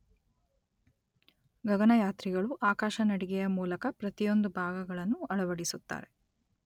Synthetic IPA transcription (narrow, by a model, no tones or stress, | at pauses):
ɡɐɡɐnɐjaːt̪ɾiɡɐɭuʔaːkaːʃɐnɐɽiɡɛjɐmuːlɐkɐpɾɐt̪ijo̞nd̪ubʱaːɡɐɡɐɭɐnːuɐɭɐʋɐɽisut̪ːa̰ːɾe̞